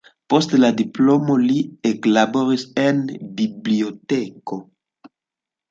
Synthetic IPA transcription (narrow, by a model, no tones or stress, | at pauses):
postlad̪iplomolieklaboʁisenbibliotɛko